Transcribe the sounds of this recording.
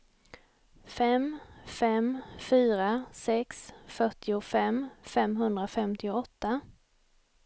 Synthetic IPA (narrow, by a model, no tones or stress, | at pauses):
fɛmfɛmfyːɾasɛksfœʈːɪʊfɛmfɛmɦɵnd̪ɾafɛmt̪ɪʊɔt̪ːa